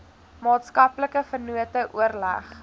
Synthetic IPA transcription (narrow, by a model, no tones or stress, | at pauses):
mɑːtskɐpləkəfərnuətəʔuərlæ̰χ